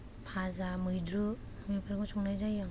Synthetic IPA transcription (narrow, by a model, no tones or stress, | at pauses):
pʰazamɯjdɾu | mipʰaɾkɔsʰɔŋnajzajaŋ